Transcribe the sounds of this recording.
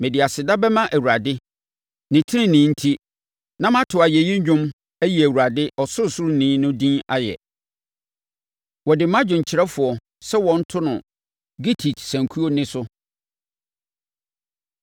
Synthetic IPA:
mẽ˨di˨a˨sɪ˨da˦bɛ˦mã˦ʔæ˨wu˨ɾa˨dɪ˦ | nɪ̃˨tʰɪ˦ɾɪ̃˦nɪ̃ː˨˦n̩˦tʰi˦ | nã˦m˦ã˦tʰʊ˨a˨jɛ˨jɪ̃˦ɲ˦ɲᶣʊ̃˦m | æ˦ji˨æ˨wu˨ɾa˨dɪ˦ʔɔ˨sʊ˦˨sʊ˦ɾnĩː˦nʊ̃˦dĩ˦a̰˦jɛ̰˨ | wɔ˨dɪ˨mã˦d͡ʑᶣʊ̃˨ɲ̩˨t͡ɕʰɪ˨ɾɛ˦fʊ˨ɔ˨ | sɛ˦wɔ̃˨n̩˦tʰʊ˦nʊ̃˨ | ɡi˦tʰi˨tsæ̃˨ŋkʰu˦o˦nɪ̃˦sʊ˦

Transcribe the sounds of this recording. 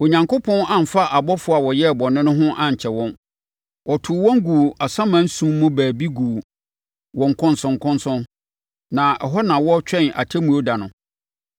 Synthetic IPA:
o˨ɲã˨ŋkʰʊ˦pʰɔ̃˦nã˨m̩˨fa˦ʔa˨bɔ˦fʊ˨˦a˨wɔ˨jɛ˦˨bɔ˨nɪ̃˦nʊ̃˦ɦʊ̃˦ʔã˦ɲ̩˨t͡ɕʰɛ˨wɔ̃˦n | wɔ˨tʰʊ˨wɔ̃˦ŋ˦ɡu˨ʔa˨sã˦mã˦n̩˦sũː˦ʊ̃˦baæː˨bi˦ɡu˨ | wɔ̃˨ŋ˨kʰʊ̃˦nsʊ̃˨ŋ˨kʰʊ̃˦nsʊ̃˦n | nã˨ɛ˨ɦɔ˦nã˨wɔ˦t͡ɕᶣɛ̃˦˨na̰˨tʰɛ˦mũ˦o˦da˨nʊ̃˨

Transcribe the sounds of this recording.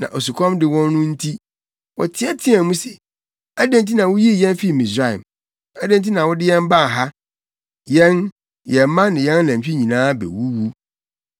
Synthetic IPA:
nã˨ʔo˨su˨kʰɔ̃˦mdɪ˨wɔ̃˦nː˦ʊ̃˦n̩˦tʰi˦ | wɔ̰˨tʰɪ˦ɛ˦tʰɪ˦ɛ˨mũ˦sɛ˨ | æ˦dɛ̃˦nt̬ʰi˦nã˨wʊ˦ji˦˨jɛ̃˦nfi˦˨mɪ̃˨sɾa˦˨ḭ˨m | æ˦dɛ̃˦nti˦nã˨wɔ˦dɪ˦jɛ̃˦m˦ba˦˨ɦa˦ | jɛ̃˦n | jɛ˨˦mã˦nɪ̃˨jɛ̃˦n˦nã˨ɕᶣi˦ɲĩ˨nãː˦bɛ̰˨wu˦wu˦

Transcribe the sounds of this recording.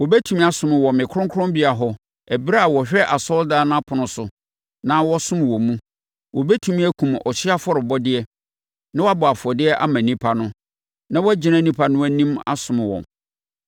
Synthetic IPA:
wɔ˨bɛ˦tʰũ˨mĩ˦a˨sʊ̃˨mɪ̃˨wɔ̃˨mɪ̃˨kʰʊ˦ɾʊ̃˦ŋkʰʊ̃˦mbi˦a˨ɦɔ˨ | ɛ˨bi˦ɾa˦a˨wɔ˨ɕᶣɛ˦ʔa˨sɔ˦ldaː˦ñ˦a˦pʰʊ˨nʊ̃˨sʊ˨ | nã˦wɔ˦sʊ̃˦m˨wɔ˨mũ˦ | wɔ˨bɛ˦tʰũ˨mĩ˦æ˦kʰũ˨m˨ɔ˨ɕɪ˦a˦fɔ˦ɾɪ˨bɔ˦dɪ˦ɛ˦ | nã˦wɔ˦a˦bʊ˨a˨fɔ˨dɪ˦ɛ˦ʔa̰˦mã˨nĩ˦pʰa˨nʊ̃˦ | nã˦wɔ˦æ˦d͡ʑɪ˨nã˦˨˦nĩ˦pʰa˨nʊ̃˦wæ˦nĩ˦ma̰˦sʊ̃˨mɪ̃˨wɔ̰̃˨m

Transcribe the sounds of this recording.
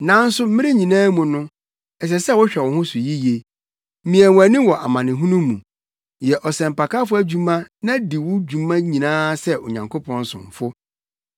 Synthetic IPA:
nã˨˦n̩˦sʊ˦m̩˦mɪ̃˦ɾɪ˦ɲĩ˨nãː˦mũ˨nʊ̃˦ | ɛ˨s̬ɛ˨sɛ˦˨wɔ˦ɕᶣɛ˨wɔ̃˨ɦʊ̃˦sʊ˨ji˦je˨˦ | mĩ˨ɛ̃˨wæ˨nɪ̃˦wɔ˨ʔa˨mã˨nɪ̃˨ɦũ˦nũ˦mũ˨ | jɛ˨ʔɔ˨sɛ̃˨m̩˨pa˨ka˦fʊ˦æ˨d͡ʑᶣu˦mã˦nã˦di˨wʊ˦d͡ʑᶣu˨mã˦ɲĩ˨nãː˦sɛ˦o̰˨ɲã˨ŋkʰo˦pʰɔ̃˦n˦sʊ̰̃˨m˨fʊ˦

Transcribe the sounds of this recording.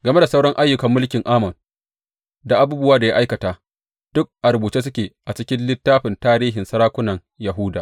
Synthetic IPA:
ɡɐ˨me˦da˨sa˦wɽɐ˦ŋʔa˦jːʊ˨kɐ˨mːʊ˦lkʲɪ˨ŋʔaː˦mɐ˨n | da˨ʔa˦buː˦bʊ˦waː˦da˨ja̰˦ʔa˦jkɐ˨taː˨ | d̥ʊ˦k̚ʔa˨ɾʊ˨buː˨t͡ʃeː˦s̬ʊ˦kʲeː˨ʔa˨t͡ʃɪ˦kʲɪ˦nlɪ˦tːaː˦ɸɪ˨ntaː˦ɾiː˦ɦɪ˨nsɐ˦ɾaː˦kʷʊ˦nɐ˨ŋ | jɐ˨ɦʊ˦da̰˨

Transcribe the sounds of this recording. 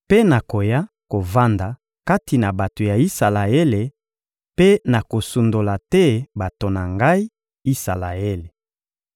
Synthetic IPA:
pe˦na˨ko˨ja˦ | ko˨va˦nda˨ | ka˦ti˨na˨ba˨to˨ja˨i˦sa˨la˨e˦le˨ | pe˦na˨ko˨su˨ndo˨la˨tɛ˦ba˨to˨na˨ŋɡa˦i˦ | i˦sa̰˨la̰˨e˦le˨

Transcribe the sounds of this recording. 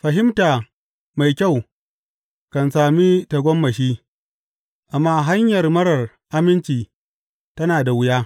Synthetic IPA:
ɸɐ˨ɦɪ˦mtaː˨ | ma˨jkʲa˦˨w | kɐ˨nsaː˨mi˦ta˨ɡʷɔ˦mːɐ˨ʃ̬iː˦ | ʔa˨mːaː˦ɦa˦ɲjɐ˨rmɐ˦ɽɐ˨r | ʔa˦mɪ˦nt͡ʃiː˨ | tɐ˦naː˨da˨wʊ˦jaː˦

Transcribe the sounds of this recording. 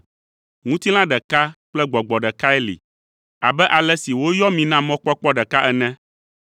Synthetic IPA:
ŋũ˦t̪i˦l̃ã˦ɖɛ˨ka˦k͡plɛ˦ɡ͡bɔ˨ɡ͡bɔ˨ɖɛ˨ka˦ɛ˦lḭ˨ | a˨bɛ˦ʔa˨lɛ˦si˨wo˦jɔ˦mĩ˨nã˦mɔ̃˦k͡pɔ˦k͡pɔ˦ɖɛ˨ka˦ʔɛ˨nɛ̃˦

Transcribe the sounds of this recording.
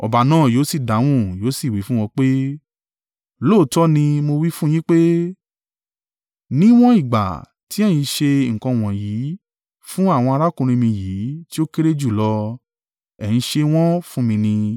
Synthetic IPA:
ɔ̰˨ba˨nãː˦˨joː˨˦si˦˨da˨˦w̃ũ˦joː˨˦si˦˨wi˨˦fũ˦wɔ̃˧k͡pe˦ | lo˦˨˦tɔ˦nĩ˧mo˧wi˦fũ˦j̃ĩ˦k͡pe˦ | nĩ˦w̃ɔ̃˦i˦˨ɡ͡ba̰˨ | ti˨˦ɛ˦˨j̃ĩ˧ʃe˧˨ŋ̩˨kɔ̃˧˨w̃ɔ̃˨ji˨˦ | fũ˦a˦˨w̃ɔ̃˧a˧ɾa˦kũ˧ɾ̃ĩ˧mĩ˧jiː˨˦ti˦o˦ke˦ɾe˦d͡ʒu˦˨lɔ˧ | ɛ˨j̃ĩ˧ʃe˧w̃ɔ̃˦fũ˦mĩ˧nĩ˧

